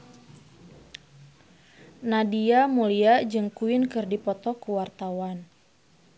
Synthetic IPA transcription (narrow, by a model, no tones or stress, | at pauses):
nadiamuliad͡ʒɨŋkuɪnkɨrdipɔt̪ɔkuwart̪awan